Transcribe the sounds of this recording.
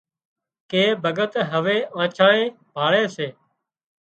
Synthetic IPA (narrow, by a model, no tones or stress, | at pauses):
keːbʱəɡət̪ɦəʋeːãːt͡ʃʰãːẽː | bʱaːɭeːseː